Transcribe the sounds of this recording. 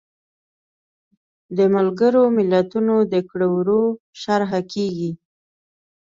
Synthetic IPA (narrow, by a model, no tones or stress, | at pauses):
d̪əmalɡəɾomɪlat̪unod̪əkɽowɾo | ʃaɾɦakeɡi